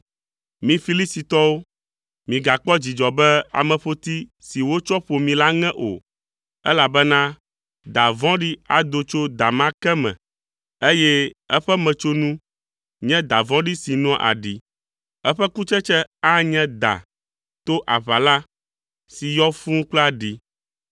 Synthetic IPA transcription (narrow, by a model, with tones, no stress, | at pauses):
mĩ˨fi˦li˦si˨t̪ɔ˦wo˦ | mĩ˨ɡa˨k͡pɔ˦d͡ʑi˨d͡ʒɔ˨bɛ˦a̰˨mɛ̃˨ɸo˦t̪i˦ | si˨wo˦t͡ʃɔ˦ɸo˨mĩ˨la˦ŋɛ̃˦ʔo̰˨ | ɛ˦la˨bɛ˦nã˦ | d̪a˨vɔ̃˦ɖi˦a˨d̪o˦t͡ʃo˦d̪a˨mã˦kɛ˦mɛ̰̃˨ | e˦jɛ˦ɛ˦ɸɛ˦mɛ̃˨t͡ʃo˦nũ˦ | ɲɛ̃˦d̪a˨vɔ̃˦ɖi˦si˨nũ˦ʔa̰˨ɖi˨ | ɛ˦ɸɛ˦ku˦t͡ʃɛ˦t͡ʃɛ˦a˦ɲɛ̃˦d̪a̰˨ | t̪o˦ʔa˨βa˨la˦ | si˨jɔ˦fũ˦k͡pla˦ɖi˨